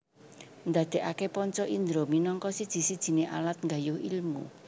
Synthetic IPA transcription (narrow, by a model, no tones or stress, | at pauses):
nd̪a̤d̪̥e̤ʔakepɔɲt͡ʃɔʔind̪ɾominɔŋkɔsid̥ʒ̥i̤sid̥ʒ̥i̤neʔa̰lat̪̚ŋɡajʊhḭlmṵ